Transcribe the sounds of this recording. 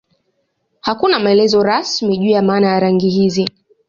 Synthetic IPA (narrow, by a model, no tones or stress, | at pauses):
hakunamaɛlɛzɔɾasmiʄuːjamaːnajaɾaŋɡihizi